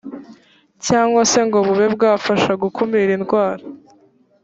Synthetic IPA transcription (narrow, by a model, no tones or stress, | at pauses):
caːŋɡwase̞ŋɡoβuβeb̚ɡaːfaʃaɡukʰumiɾinɡwaːɾa